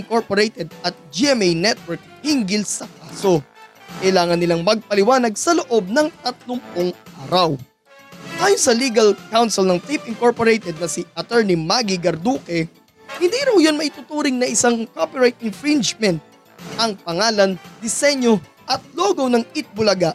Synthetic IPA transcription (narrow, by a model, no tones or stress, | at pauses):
ɪŋko̞ɹpoɾejt̪ɛd̪̚ɐt̪̚d͡ʒiʔɛmɛjnɛt̪̚wɛɹk̚hiŋɡɪlsɐk̚aːso̞kɐjlaːŋɐnːɪlaŋmɐɡ̚pɐlɪwaːnɐɡ̚sɐloʔo̞b̚nɐŋt̪ɐt̪̚loŋpʊŋʔaːɾɐw | ʔaːjonsɐliːɡɐlkawnsɛlnɐŋt̪ipɪŋkoɹpoɾejt̪ɛd̪̚nɐsiʔɐt̪ɛɹnimaɡiɡɐɾd̪uːkɛ | hɪnd̪iːɾɐwjo̞nmɐʔɪt̪ʊt̪uːɾɪŋnɐʔɪsaŋkopiɹajt̪̚ɪnfɹɪnd͡ʒmɛnt̪̚ | ʔɐŋpɐŋaːlɐnd̪ɪsɛɲjo̞ | ʔɐt̪̚loːɡownɐŋɪt̪̚bʊlɐɡaʔ